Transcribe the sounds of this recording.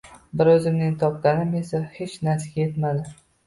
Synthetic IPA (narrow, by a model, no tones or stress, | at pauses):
bɪɾɵzɪmnɪŋt̪ʰɒp̚laɾɪme̞sahet͡ʃnaɾsaɡʲajet̪mad̪ɪ